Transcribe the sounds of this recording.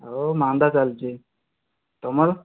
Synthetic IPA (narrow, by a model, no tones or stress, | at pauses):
omand̪at͡salt͡ʃi | t̪ɔmaɾ